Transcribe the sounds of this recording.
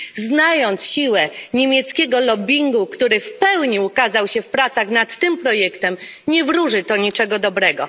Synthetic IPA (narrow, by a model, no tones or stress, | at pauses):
znajɔnt̪sɕiwɛɲemʲjɛt̪skʲɛɡɔlɔbʲiŋɡukt̪uɾɘfpɛwɲiukazawɕɛfpɾat̪saɣnat̪ːɘmpɾɔjɛkt̪ɛmɲɛvɾuʐɘt̪ɔɲit͡ʂɛɡɔd̪ɔbɾɛɡɔ